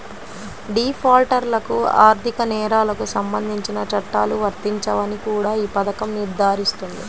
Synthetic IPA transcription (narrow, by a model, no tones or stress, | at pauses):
ɖiːpʰaːlʈɐɾlɐkuaːɾt̪ʰikɐnɛːɾaːlɐkusɐmbɐnd̪ʱiɲt͡ʃinɐt͡ʃɐʈːaːluʋɐɾt̪iɲt͡ʃɐʋɐnikuːɽaːiːpɐd̪ɐkɐmniɾd̪ʱaːɾist̪und̪i